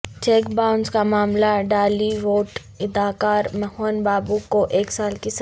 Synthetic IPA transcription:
t͡ʃeːkbaːʊnzkamaːmlaɖaːliʋoːʈ | ɪd̪aːkaːɾmɛɦoːnbaːbukoʔeːksaːlkis

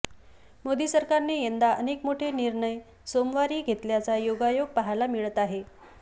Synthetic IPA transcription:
mod̪iːsəɾkaɾnejend̪aʔənekmoʈʰeniɾɳəj | somʋaɾiːɡʱet̪ljat͡sajoɡajoɡ̚paɦalamiɭət̪aɦe

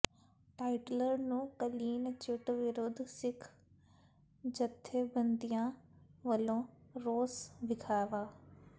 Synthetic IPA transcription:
ʈaːɪʈləɾnũːkɐliːnt͡ɕʊʈʋɪɾoːd̪ʱsɪkʰ | d͡ʑɐt̪ʰːebɐ̃nd̪ijãʋɐlõɾoːsʋɪkʰaːjʋaː

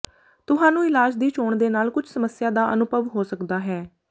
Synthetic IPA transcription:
t̪ʊɦãːnũːɪlaːd͡ʒd̪iːt͡ʃoːɳd̪eːnaːlkʊt͡ʃʰsəməsːɪjaːd̪aːʔənʊbəʋɦoːsəkd̪aːɦɛː

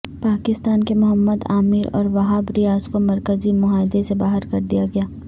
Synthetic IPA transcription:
paːkɪst̪aːnkemʊɦəmːəd̪a̰ːmiɾɔ̰ːɾʋɐɦaːbɾɪjaːzkomɐɾkəzimʊɦaːɪd̪esebaːɦəɾkɐɾd̪ijaɡɐjaː

